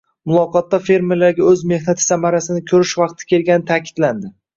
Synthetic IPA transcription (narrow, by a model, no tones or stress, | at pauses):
mʊlˠɒqɒt̪ːafe̞ɾmelaɾɡʲaɵzme̞hnat̪ʰɪ̥samaɾasɪnɪkʲʰɵɾɪʃvɑq̚t̪ʰɪ̥kʲʰe̞lɡʲanɪt̪ʰakʲɪ̥d̪̥land̪ɪ